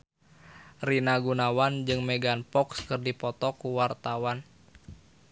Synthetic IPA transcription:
rinaɡunawand͡ʒɨŋmɛɡanpɔkskɨrdipɔt̪ɔkuwart̪awan

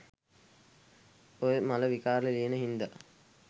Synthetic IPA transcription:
ojəmaləʋikaːɾləlienəɦind̪ə

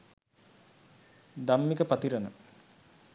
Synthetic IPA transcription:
d̪amːikəpat̪iɾənə̰

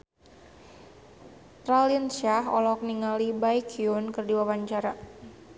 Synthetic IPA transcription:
t̪ɾaliənʃaɦɔ̰lɔk̚niŋalibajkʰiunkɨrdiwawaɲt͡ʃaɾa

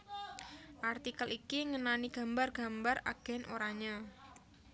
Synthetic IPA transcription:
ʔart̪ikəlikiŋənaniɡ̥a̤mbarɡ̥a̤mbara̰ɡ̥ɛ̤nʔo̰ɾaɲa

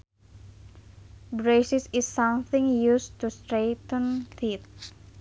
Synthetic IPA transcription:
bɾesisisːʌ̃mθɪ̃ŋjust̪ust̪ɾet̪ə̃nθit̪̚

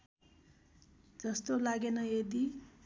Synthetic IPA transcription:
d͡zʌst̪olaɡenʌjed̪i

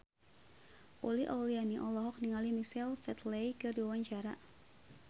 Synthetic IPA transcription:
ʔoliʔa̰wlianiʔɔlɔɦɔk̚niŋalimisɛlfɛt̪lejkɨrdiawaɲt͡ʃaɾa

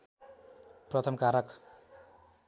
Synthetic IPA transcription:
prʌt̪ʰʌmkaɾʌk

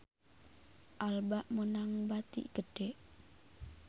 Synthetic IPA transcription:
ʔalbaʔmunaŋbat̪ḭʔɡ̥əɖ̥ɛʔ

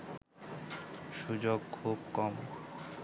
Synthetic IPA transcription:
ʃud͡ʑoɡ̚kʰub̚kɔm

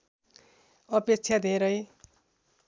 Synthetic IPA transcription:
ʌpek̚t͡sʰjad̪ʱeɾʌj

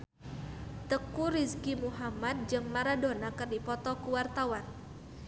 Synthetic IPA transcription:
t̪əkuɾiskimuɦamad̪̚d͡ʒɨŋmaɾadonakərdipɔt̪ɔkuwart̪awan

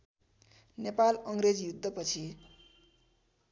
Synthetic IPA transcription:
nepalʌŋɾed͡zjud̪ʱːʌpʌt͡sʰi

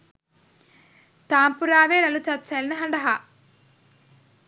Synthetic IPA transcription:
t̪aːmpuɾaːʋeːɾɐlut̪ɐt̪sɐlinɐɦɐɳɖɐɦa

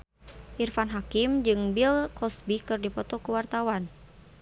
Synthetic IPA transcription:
ʔirfanɦakimd͡ʒɨŋbilkɔsbikɨrdipɔt̪ɔkuwart̪awan

